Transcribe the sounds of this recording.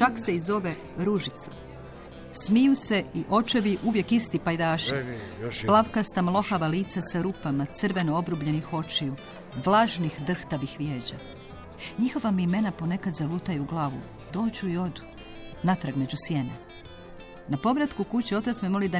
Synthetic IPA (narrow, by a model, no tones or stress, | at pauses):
t͡ʃakse̞izo̞ʋe | ɾuʒit̪sa̰ | smijuse̞iʔo̞t͡ʃeʋiʔuʋje̞kist̪ipajd̪aːʃiplˠaʋkast̪amlˠo̞xaʋaliːt̪sasaɾupamat̪sɨrʋe̞no̞obɾubʎe̞nixo̞t͡ʃiju | ʋlˠaʒnixd̪r̩xt̪aʋixʋje̞ːd͡ʑa | ɲixo̞ʋamiime̞napo̞ne̞kad̪zaʋut̪ajeuɡlˠaːʋṵ | d̪̥o̞ːd͡ʑuio̞d̪u̥ | nat̪ɾaɡme̞d͡ʑusje̞ne | napo̞ʋɾat̪kukut͡ɕio̞t̪at̪smemo̞lid̪a